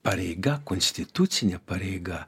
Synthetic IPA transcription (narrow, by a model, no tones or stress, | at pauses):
paɾeɡakonst̪it̪usʲinʲapaɾeɡa